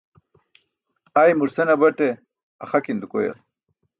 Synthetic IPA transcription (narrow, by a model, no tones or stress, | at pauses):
ajmuɾsɐnabɐʈe | ɐχakind̪ukojɐ̰l